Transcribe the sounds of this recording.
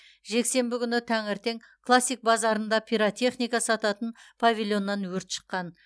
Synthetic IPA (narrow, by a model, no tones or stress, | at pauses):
ʒe̞kse̞mbɪkʲʰʏnɪt̪ʰæŋɪɾt̪e̞ŋ | kʰlˠasːijk̚bɑzɑɾənd̪ɑpʲʰijɾat̪ʲʰe̞χnijkɑsɑt̪ɑt̪ənpʰavʲilʲˠjo̞nːɑnwɵɾt̪ʃə̥qːɑn